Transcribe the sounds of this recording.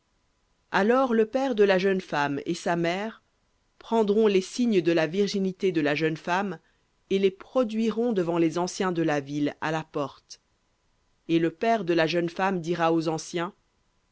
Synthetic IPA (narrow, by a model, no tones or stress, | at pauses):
alɔʁləpɛʁd̪əlaʒənfamḛsamɛːʁ | pχɑ̃d̪ʁɔ̃lesiɲd̪əlaviʁʒinit̪ed̪əlaʒənfam | elepχɔd̪ɥiʁɔ̃d̪əvɑ̃lezɑ̃sjɛ̃d̪əlavila̰lapɔʁt̪ | eləpɛʁd̪əlaʒənfamd̪iʁaozɑ̃sjɛ̃